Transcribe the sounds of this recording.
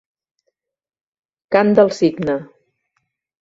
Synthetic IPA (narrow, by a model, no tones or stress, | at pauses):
kand̪əlˠsiɡnə